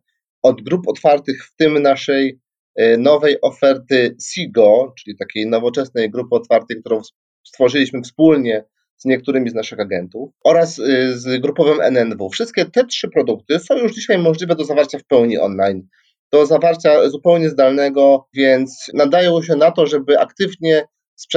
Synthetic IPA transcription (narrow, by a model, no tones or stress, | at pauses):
ɔd̪ɡɾupɔt̪faɾt̪ɘxft̪ɘmnaʂɛj | nɔvɛjʔɔfɛɾt̪ɘsʲiɡɔt͡ʂɘlʲit̪akʲejnɔvɔt͡ʂɛsnɛjɡɾupɘɔt̪faɾt̪ɛjk̚t̪uɾɔ̃w̃s | st̪fɔʐɘlʲiɕmɘfspulɲɛ | z̥ɲɛk̚t̪uɾɘmʲiznaʂɘxaɡɛnt̪ufɔɾaszɡɾupɔvɘmʔɛ̰nɛnvufʂɘst̪̚kʲɛt̪ɛtʂɘpɾɔd̪uk̚t̪ɘsɔ̃w̃juʐd͡ʑiɕajmɔʐlʲivɛd̪ɔzavaɾt͡ɕafpɛwɲiʔɔ̰nlajn | d̪̥ɔzavaɾt͡ɕazupɛwɲɛzd̪alnɛɡɔvʲjɛnt̪snad̪ajɔ̃w̃ɕ̬ɛnat̪ɔʐɛbɘʔa̰kt̪ɘvɲɛ | spʂ